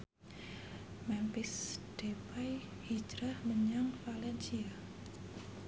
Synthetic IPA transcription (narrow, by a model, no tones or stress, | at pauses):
mɛmpɪsd̥epajhid͡ʒɾahməɲaŋfalɛnsia